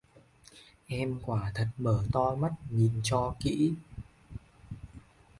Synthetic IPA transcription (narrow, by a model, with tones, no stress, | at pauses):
ʔɛ˧mkwaː˧˩t̪ʰə˨˩t̚məː˧˩t̪ɔ˧jma˦˥t̚ɲi˨˩nt͡ɕɔ˧kḭ˧˥